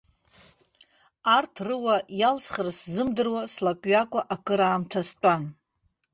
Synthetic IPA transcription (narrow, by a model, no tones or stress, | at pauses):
artʰrɨwajalsχərszɨmdɨrwaslakʲʷʼɥakʷʼaʔakʰʼɨɾaːmtʰastʷʼan